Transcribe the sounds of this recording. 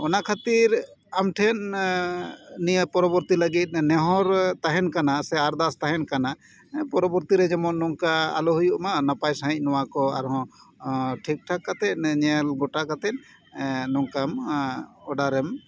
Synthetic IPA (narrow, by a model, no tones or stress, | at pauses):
ɔnakʰat̪iɾamʈʰɛn | nijəpɔɾɔbɔɾt̪iləɡit̪̚ˀnɛɦɔɾt̪aɦɛnkanasɛaɾd̪ast̪aɦɛnkana | pɔɾɔbɔɾt̪iɾɛd͡ʒɛmɔnːɔŋkaa̰lɔɦujuʔmanapajsaɦic̚ˀnɔwakɔa̰ɾɦɔ̃ | ʈʰik̚ʈʰakːat̪ɛc̚ɲɛlɡɔʈakat̪ɛt̚ | nɔŋkam | ɔɖaɾɛm